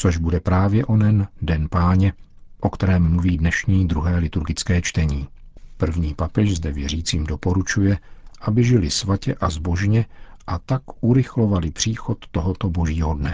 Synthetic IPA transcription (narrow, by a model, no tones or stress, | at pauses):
t͡soʒbudɛpɾaːvjɛʔo̞nɛndɛnpaːɲɛ | ʔokt̪ɛɾɛːmːuviːdnɛʃɲiːd̪ɾuɦɛːlɪt̪uɾɡɪt͡skɛːt͡ʃt̪ɛɲiː | pr̩vɲiːpapɛʃzdɛvjɛriːt͡siːmdo̞po̞ɾut͡ʃujɛʔabɪʒɪlɪsvacɛʔazbo̞ʒɲɛʔat̪akʔuɾɪxlo̞valɪpr̝̥iːxo̞t̪ːoɦot̪obo̞ʒiːɦodnɛ